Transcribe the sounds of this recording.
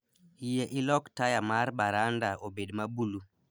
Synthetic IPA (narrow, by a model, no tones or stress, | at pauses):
ijeʔɪlɔktajamaɾbaɾandaobedmabulu